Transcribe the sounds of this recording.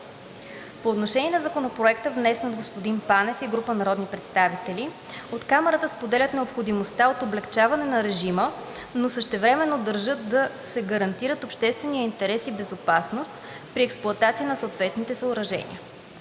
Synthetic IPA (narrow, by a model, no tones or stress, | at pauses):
poːt̪noʃɛniɛnɐzɐkonopɾoɛkt̪əvnɛsɛnəd̪ɡospod̪inpanɛfiɡɾupənɐɾɔd̪nipɾɛt̪st̪avit̪ɛli | ot̪kamɛɾət̪əspod̪ɛlʲət̪nɛopxod̪imost̪aot̪oblɛkt͡ʃavɐnɛnɐɾɛʒimə | nosəʃt̪ɛvɾɛmɛnːod̪əɾʒɤt̪̚d̪ɐsɛɡəɾɐnt̪iɾət̪opʃt̪ɛst̪vɛnijəint̪ɛɾɛsibɛzopasnost̪ | pɾiɛksplˠʊɐt̪at̪siənɐsoot̪vɛt̪nit̪ɛsəoɾɐʒɛ̰nʲḭə